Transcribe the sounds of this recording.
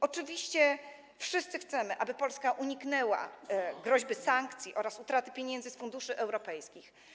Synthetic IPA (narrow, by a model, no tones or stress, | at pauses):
ɔt͡ʂɘvʲiɕt͡ɕɛ | fʂɘst̪sɘxt̪sɛmɘʔabɘpɔlskaʔuɲiknɛwa̰ɡɾɔʑbɘsaŋkt̪sʲjiʔɔɾasut̪ɾat̪ɘ̥pʲjeɲɛnd̪zɘsfund̪uʂɘʔɛwɾɔpɛjskʲix